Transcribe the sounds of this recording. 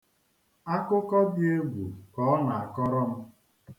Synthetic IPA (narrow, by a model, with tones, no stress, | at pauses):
a˦kʊ˦kɔ˦dɪ˦e˦bu˨kɔ˨˦ɔ˦na˨a˨kɔ˦ɾɔ˦m̩˦